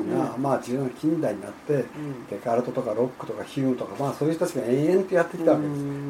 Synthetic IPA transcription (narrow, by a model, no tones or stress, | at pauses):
ŋamaːd͡ʑiɯ̟̃nːokʲĩnd̪aiɲ̟ina̰t̪ːe̞t̪e̞kaɾɯ̟t̪o̞t̪o̞kaɾo̞kːɯ̟̥t̪o̞kaçiɾɯmɯ̟t̪o̞kamaːso̞ːjiɯot̪at͡ɕiɡaẽẽ̞nt̪ojat̪ːekʲi̥t̪aβakees